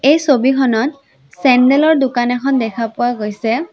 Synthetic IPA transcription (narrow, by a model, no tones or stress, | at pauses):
ejsobikʰɔnɔt̚ | sɛndɛlɔɹdʊkanɛkʰɔndɛkʰapʊaɡojsɛ